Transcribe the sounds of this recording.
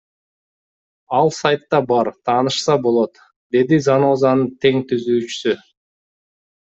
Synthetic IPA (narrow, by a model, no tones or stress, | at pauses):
ɑlˠsajt̪ːɑbɑɾt̪ʰɑːnɯʃsɑbo̞lˠo̞t̪ | d̪e̞d̪izano̞ːzɑnɯt̪ʰe̞ŋt̪yzyːt͡ʃy̥sy